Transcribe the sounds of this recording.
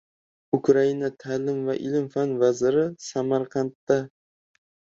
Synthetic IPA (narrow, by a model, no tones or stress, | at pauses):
ʊkʰɾainat̪ʰalɪmvaʔɪlɪmfanvazɪɾɪsamaɾqʰɑnt̪ːa